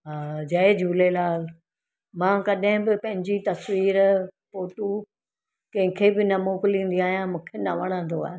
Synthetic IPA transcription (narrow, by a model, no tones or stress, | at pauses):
ɦaːd͡ʑɐd͡ʑuːlelaːl | mãːkɐɗɦɪ̃bɪpɐ̃ɦɪ̃ɲd͡ʑit̪ɐsʋiːɾpoːʈu | kɐ̃ɦɪ̃kʰebɪnɐmoːklĩːnd̪iaːɦijãmũːkʰenɐʋɐɽ̃ãːnd̪oa̰ːɦ